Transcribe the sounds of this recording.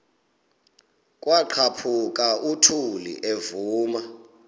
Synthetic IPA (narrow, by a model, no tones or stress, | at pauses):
kʼwaǃʰapʰuk̬ʼautʰulḭʔevuːma